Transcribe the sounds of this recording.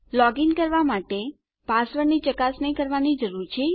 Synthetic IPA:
lɔɡiŋkəɾʋamaʈe | pasʋəɾnit͡ʃəkasnəjkəɾʋanid͡ʒəɾuɾt͡ʃʰe

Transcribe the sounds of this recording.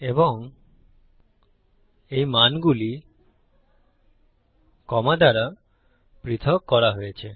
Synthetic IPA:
eboŋ | ejmanɡuli | kɔmad̪ʱaɾa | pɾit̪ʰɔkːɔɾaɦojet͡ɕʰe

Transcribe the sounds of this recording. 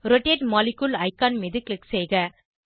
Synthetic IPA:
ɾɔʈːeːʈmaːlɪkːulɐɪkːaːnmeðɯklɪkseːɣɐ

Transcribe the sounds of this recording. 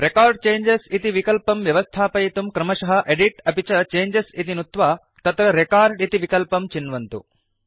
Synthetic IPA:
ɾekaːɾɖt͡ʃeːɲd͡ʒesit̪iʋikɐlpɐmʋjɐʋɐst̪ʰaːpɐjit̪umkɾɐmɐʃɐɦɐʔeɖiʈɐpit͡ʃɐt͡ʃeːɲd͡ʒesit̪inut̪ʋaː | t̪ɐt̪ɾɐɾekaːɾɖit̪iʋikɐlpɐmt͡ʃinʋɐnt̪ṵ

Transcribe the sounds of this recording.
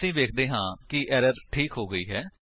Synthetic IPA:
sĩːʋeːkʰd̪eːɦãːkɪʔɛːɾəɾʈʰiːkɦoːɡəḭːɦɛː

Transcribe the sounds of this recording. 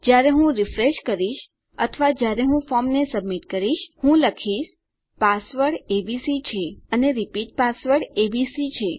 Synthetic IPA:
d͡ʒjaɾeɦũɾifɾeʃkəɾiʃ | ət̪ʰəʋad͡ʒjaɾeɦũfɔɾmnesəbmiʈkəɾiʃhũləkʰiʃ | pasʋəɾɽebisit͡ʃʰeəneɾipiʈ̚pasʋəɾɽebisit͡ʃʰe

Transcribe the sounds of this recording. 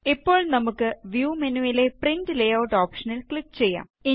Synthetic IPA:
ipːo̞ːɭnɐmukːɨʋjuːmɐnuɐileprindɨlejɐːwʈoːpʂɐnilkɭikːt͡ɕe̞jːa̰ː | i

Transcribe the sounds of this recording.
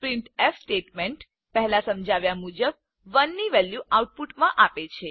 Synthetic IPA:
pɾiɳʈefsʈeʈmeɳʈ | pɛɦlasəmd͡ʒaʋjamud͡ʒəb̚ | ʋənːiʋɛljuauʈ̚puʈmãʔapet͡ʃʰe

